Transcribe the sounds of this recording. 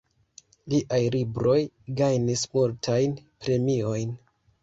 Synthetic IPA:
liʔajlibɾo̞j | ɡajnismultʰajnpɾe̞mio̞jn

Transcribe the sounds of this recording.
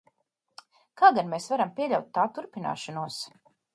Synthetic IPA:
kaːɡanmeːsvaɾampʲiɛʎʲawt̪̚ːaːt̪uɾpina̰ːʃɔnuɔs

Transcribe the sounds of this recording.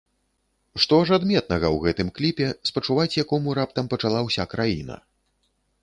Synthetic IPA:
ʂt̪ɔʐad̪mʲɛt̪nɐɣɐwɣɛt̪ɨmklʲipʲɛspɐt͡ʂuvat͡sʲjakɔmuɾapt̪ɐmpɐt͡ʂalˠawsʲakɾajinɐ̰

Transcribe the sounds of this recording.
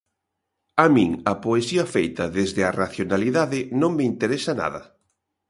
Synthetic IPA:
amĩŋɐpoesiɐfejt̪ɐðezðɪaraθjonaliðaðɪnõŋmeint̪eɾesana̰ðɐ̰

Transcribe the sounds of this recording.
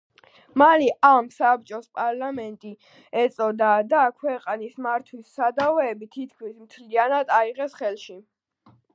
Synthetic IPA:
malɛʔamsap̚t͡ʃʼɔspʼaɾlamɛnt̪ʼi | ɛt̪sʼɔd̪ad̪akʰwɛqʼanismaɾt̪ʰwisːad̪avɛːbit̪ʰit̪̚ʰkʰmismt̪ʰlianad̪aiʁɛsχɛlˠʃi

